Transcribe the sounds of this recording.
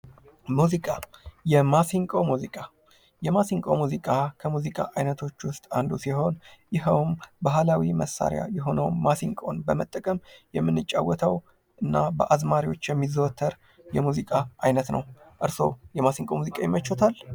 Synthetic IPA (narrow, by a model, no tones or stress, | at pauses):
muzikʼajɛmasiŋkʼomuzikʼa | jɛmasiŋkʼo̰muzikʼakʰəmuzikʼa̰ʔajnət̪ʰo̞t͡ʃːwʊst̪ʼand̪usiho̞njɪɦəwmbaɦlawiməsːa̰ɾja̰jɛɦo̞nəwmasiŋkʼo̞̰nbəmət̪ʼːəkʼəmjɛmːɨnːɨt͡ʃʼːawːɔt̪ʰəw | ʔɨnːabəʔazmaɾiwo̞̰t͡ʃːjɛmːizəwt̪ʰːəɾ | jɛmuzikʼaʔajnət̪nə̰w | ʔɨɾso̞̰wjɛmasiŋkʼomuzikʼajɛmːət͡ʃːot̪ʰal